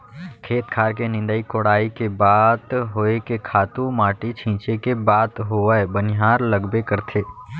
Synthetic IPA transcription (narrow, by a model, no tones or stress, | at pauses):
kʰeːt̪kʰaːɾkenɪ̃nd̪əikoːɽaːikebaːt̪ɦoːekekʰaːt̪ũmaːʈit͡ʃʰĩːt͡ʃekebaːt̪ɦoəebənɪɦaːɾlɐɡbekɐɾt̪ʰeː